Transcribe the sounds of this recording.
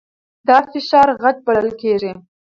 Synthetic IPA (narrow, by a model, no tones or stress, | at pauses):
d̪ɑfɪʃɑɾɣad̪̚baləlkeʐi